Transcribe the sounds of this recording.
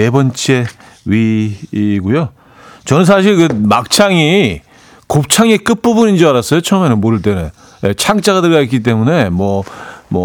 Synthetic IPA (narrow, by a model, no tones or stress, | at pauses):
e̞bʌnt͡ɕ͈ʰe̞ | ɥi | ɡujo | t͡ɕʌnɯns̬ʰaɕ̬ʰiɭkɯmak̚t͡ɕʰaŋi | kop̚t͡ɕʰaŋek͈ɯp͈ubunind͡ʑiaɾas͈ʌjot͡ɕʰʌʌmenɯnmoɾɯɭt̬͈enɯn | jet͡ɕʰaŋt͡ɕ͈aɡadɯɭɡait̚k͈it̬͈e̞mune̞mwʌmʌ